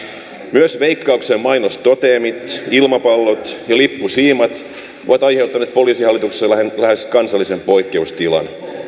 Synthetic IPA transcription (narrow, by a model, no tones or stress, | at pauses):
myøsʋe̞jkːɑuksemmɑjnost̪ot̪eːmit̪ilmɑpɑlːot̪jɑlipːusiːmɑt̪ | oʋɑt̪ɑjhe̞wt̪ːˑɑnet̪̚po̞liːsihɑlːˑit̪ukseslæheskɑnsɑlːisempo̞jkːe̞ust̪ilɑ̰n